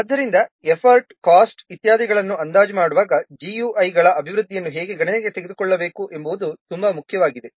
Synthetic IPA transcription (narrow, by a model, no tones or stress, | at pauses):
ɐd̪ːɐɾind̪ɐepʰɐɾʈkaːsʈit̪jaːd̪iɡɐɭɐnːuɐnd̪aːd͡ʒɐmaːɽuʋaːɡɐd͡ʒijuːʔɐjɡɐɭɐʔɐbʱiʋɾud̪ʱːijɐnːuɦeːɡe̞ɡɐɳɐneɡe̞t̪eɡe̞d̪ukɔɭːɐbe̞ːkuʔe̞mboʋd̪ut̪umbɐmukʰjɐʋaːɡid̪e